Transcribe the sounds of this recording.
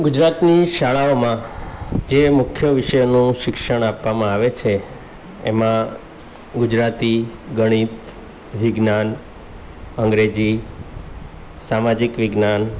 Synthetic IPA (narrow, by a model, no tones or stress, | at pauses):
ɡud͡ʒɾat̪niʃaɭaomãd͡ʒemʊkʰjəʋɪʃəjnũʃɪkʃəɽ̃apʋamãaʋet͡ʃʰe | ḛmã | ɡud͡ʒɾat̪iɡəɽ̃it̪ | ʋɪɡnan | əŋɡɾed͡ʒi | samad͡ʒikʋɪɡnan